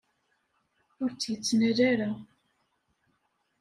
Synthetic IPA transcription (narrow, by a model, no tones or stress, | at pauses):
ʊɾt͡sːjət͡sːnæɾaɾa